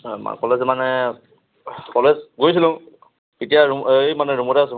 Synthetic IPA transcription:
m̰kɔlezmanɛ | kɔlezɡojs̬iluŋ | itijaɹumjmanɛɾumɔɾas

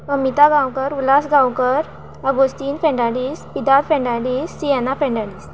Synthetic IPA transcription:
əmit̪aɡãwkəɾulasɡãwkəɾ | əɡost̪iːnfɛ̃ɳɖaɽiːspid̪ad̪fɛ̃ɳɖaɽiːsːiɛnafɛ̃ɳɖaɽis

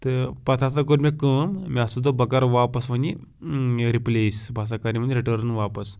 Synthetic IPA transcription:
t̪əpɐt̪ʰasakoʈmekəːmmiasud̪obɐkaɾʋapəsmɐni | ɾiplesbʱas̬akaɾimənʲeɾiʈəɾnʋapəs

